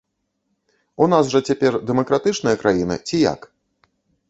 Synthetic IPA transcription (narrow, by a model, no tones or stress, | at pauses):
unasʐɐt͡sʲapʲɛrd̪ɛmɐkɾat̪ɨt͡ʂnɨjɐkɾʔajinɨ̰t͡sʲija̰k